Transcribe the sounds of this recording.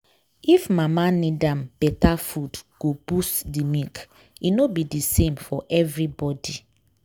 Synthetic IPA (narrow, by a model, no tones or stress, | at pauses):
ifmamanidãmb̥ɛtafudɡ̥ob̥ustdimik | inobidisẽmfɔʔɛvɹibɔdi